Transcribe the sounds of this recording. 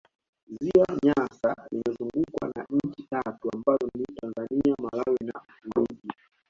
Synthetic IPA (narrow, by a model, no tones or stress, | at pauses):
ziwaɲasalimɛzuŋɡukwa̰naɲ̩t͡ʃitatuambazɔnditanzaniamalawɛnavuɾuɗi